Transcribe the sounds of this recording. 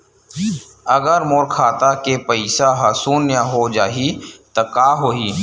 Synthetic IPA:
ɐɡəɾmoːɾkʰaːt̪akepəɪsaɦɐsuːnjaɦod͡ʒaːɦit̪ɐkaːɦoːɦiː

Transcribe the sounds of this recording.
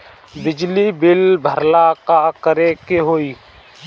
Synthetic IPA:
bɪd͡ʒlibɪlbʱəɾlakakəɾekeɦoːiː

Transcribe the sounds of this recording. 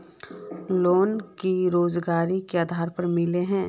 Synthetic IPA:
loːnkiɾoːzɡaːɾikeaːd̪ʱaːɾpɐɾmɪleɦɛ̃ː

